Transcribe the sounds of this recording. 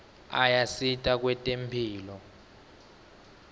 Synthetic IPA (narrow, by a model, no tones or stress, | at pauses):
ajasitʼak̬wɛtʼempʰiːlɔ